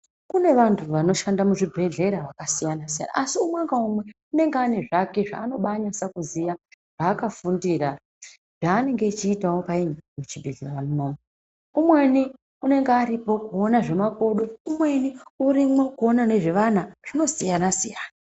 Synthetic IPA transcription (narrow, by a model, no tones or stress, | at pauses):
kune̞ʋantʰuʋano̞ʃandamuʐibʱe̞ɮe̞ɾaʋakasijanasija̰na̰ːsiumwaŋɡaumwe̞une̞ŋɡeane̞ʐake̞ʐa̰ːno̞ɓaɲasakuzija | ʐ̥aːkafundiːɾa | ʐaːne̞ŋɡe̞ːt͡ʃiːtawo̞paiɲmut͡ʃibʱeɮeramunoːma | umwe̞ni | une̞ŋɡeaɾipo̞kuonaʐe̞makoɗoumwe̞niuɾimwokuonane̞ʐeʋan̤aʐ̥ino̞sijanasijaːna